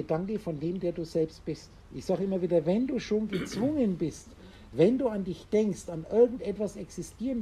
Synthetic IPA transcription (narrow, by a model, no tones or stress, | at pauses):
ədaŋkdəfɔndeːmdeːɐduːzɛlpst̚b̥ɪst | ʔɪçz̥aːɡəɪmɐviːdɐvɛnduːʃoːnɡət͡sv̥ʊŋənbɪst | vɛnduːandɪçd̥ɛŋkstanʔɪɐɡŋ̩tʔɛtv̥asɛksɪstʰiːʁən